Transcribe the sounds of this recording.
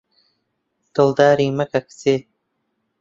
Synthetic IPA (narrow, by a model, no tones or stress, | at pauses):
t̪old̪ɑːɾimakakt͡seː